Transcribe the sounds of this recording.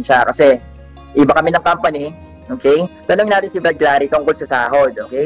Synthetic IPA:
nʃakɐsɛ | ʔibɐkɐmɪnɐŋkampɐni | ʔoːkɛjt̪ɐnʊŋnaːt̪ɪnsɪbɐlɡlaːɾit̪ʊŋkolsɐsa̰ːho̞d̪̚ʔoːkɛj

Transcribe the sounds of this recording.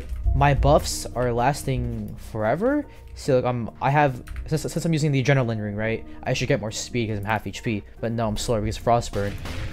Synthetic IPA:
maɪbʌfsə˞læstɪ̃ŋfə˞ɛvə˞ | solaɪkãɪ̃mʔa̰ɪɨvsɪ̃nssɪ̃nsãɪ̃mjʉzɪ̃ŋðiɨd͡ʒɛ̃ñəlɪ̃ndəɹɪ̃ŋɹaɪt̚ʔa̰ɪʃɨd̚ɡɛt̚mɔɹspid̚kʰʌzãɪ̃mhæfit͡ʃpʰib̥ʌtⁿnoʊãɪ̃mslɔɹbɨkʰʌzfɹɔsb̥ɜ̃˞n

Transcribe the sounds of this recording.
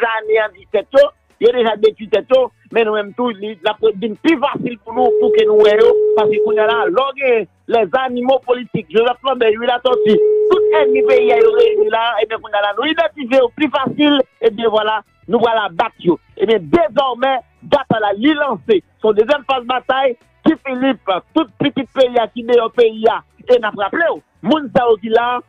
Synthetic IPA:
zaleãd̪it̪ɛt̪jo | jodeʒad̪ekit̪ɛt̪jo | mɛ̃nũmɛ̃mt̪ulilapwɛvĩnplyfasilpunũt̪ukenũwɛjopaskekũɲjalalɔɡɛ̃jɛ̃ | lɛzanimopolitik̚ʒozɛflãbɛwilasɔtit̪ut̪̚ɛnĩpeiajoʁenilaebjɛ̃kũɲjalanũid̪ãt̪ifejoplyfasilebjɛ̃vwala | nũpʁalabat̪jo | ebjɛ̃d̪ezɔʁmɛ | bat̪alalilʌ̃sesɔ̃d̪øzjɛmpasbat̪aj | kifiliplat̪ut̪̚pitit̪̚peiakidejɔpeiaenapɣapleo | mũnsajok̬ila

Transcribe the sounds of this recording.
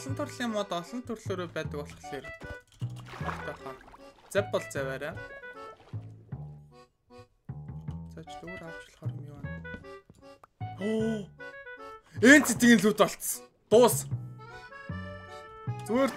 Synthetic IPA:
ɮɞ̆nt̪ʰɵrɮiːŋmːʊːt̪ɔɮɞ̆nt̪ʰɵrɮ̥oːɾoːpæːt̪ə̆kɔɮχə̆ɮeːr | ɔkt̪ɔːχart͡sæpʲpɔɮt͡sæwæːɾæː | t͡sat͡ɕt̪ɵɣ̆rawt͡ɕɪ̆ɮχɔɾə̆mjʊwaːn | eːnt͡set̪ɘ̆ɣĭnɮuːt̪ɔɬt͡s | t̪oːs | t͡sweːr

